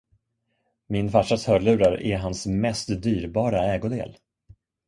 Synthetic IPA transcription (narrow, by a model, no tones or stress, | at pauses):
mɪnfaʂashœːɭʉ̟ːɾaɾɛ̰ɾɦansmɛst̪d̪yːɾbɑːɾaɛːɡʊd̪ḛːl